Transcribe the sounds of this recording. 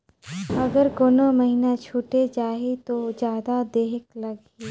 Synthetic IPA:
ɐɡəɾkoːnomɐɦinat͡ʃʰuːʈed͡ʒaːɦit̪od͡ʒjaːd̪ad̪eːɦɪklɐɡ | iː

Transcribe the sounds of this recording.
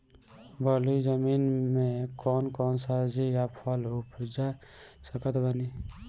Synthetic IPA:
bəlid͡ʒəminmekɔːnkɔːnsad͡ʒijapʰɔlupʰd͡ʒasəkət̪bəni

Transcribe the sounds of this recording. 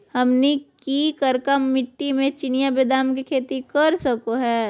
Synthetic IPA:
hɐmnikikɐɾkamːɪʈːimẽt͡ʃɪnijabed̪aːmkikʰeːt̪ikɐɾsɐkoɦɛː

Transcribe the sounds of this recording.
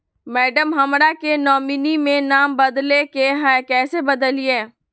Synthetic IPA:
mɛːɖəmɦɐmɾakenɔːminimẽnaːmbɐd̪lekeɦɛkɛːsebəd̪əlieː

